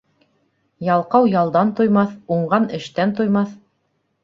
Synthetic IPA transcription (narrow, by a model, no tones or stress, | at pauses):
jɑlˠqɑwjɑlˠd̪ɑnt̪ojmɑθuɴɢɑnɘ̆ʃt̪ænt̪ojmɑθ